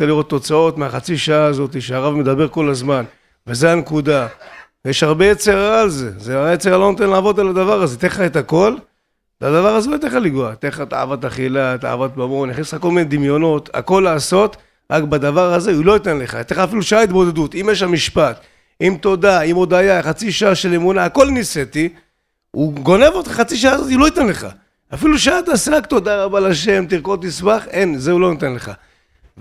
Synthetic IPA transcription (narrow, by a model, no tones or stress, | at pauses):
t͡seliʁo̞t̪ːo̞t͡sao̞t̪meaχat͡siʃaaːzo̞t̪̬iʃeaʁavme̞d̪abe̞ʁko̞lazman | vezeankud̪a | jeʃhaʁbejet͡seʁaːlze̞zeabejet͡seʁalonot̪enlaːvo̞d̪alad̪avaʁazet̪eχaet̪ako̞l | vead̪avaʁazeloit̪eχaliɡuat̪eχat̪a̰ːa̰vat̪aχilat̪a̰a̰vat̪̚bamo̞niχnisako̞lmined̪imjo̞no̞ta̰ko̞lːaːso̞t | ʁakbad̪avaʁhaze̞ulo̞it̪enleχa̰jt̪eχaːfiluʃaait̪̚bo̞d̪ed̪ut̪imjeʃamiʃpat̪ | imt̪o̞d̪aimo̞d̪ajaχat͡siʃaaʃele̞munaːko̞lniset̪i | uɡo̞ne̞vot̪χaχat͡siʃ̬aazot̪ilo̞it̪enle̞χa̰ | afiluʃaat̪aseʁakt̪o̞d̪aʁabalaʃe̞mt̪iʁko̞t̪ismaχenzeulo̞nit̪enle̞χa̰